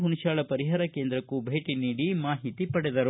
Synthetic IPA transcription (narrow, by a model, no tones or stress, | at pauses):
ɦunuʃaːɭɐpɐɾiɦaːɾɐkeːnd̪ɾɐkːubʱeːʈiniːɽimaːɦit̪ipɐɽɛd̪ɐɾu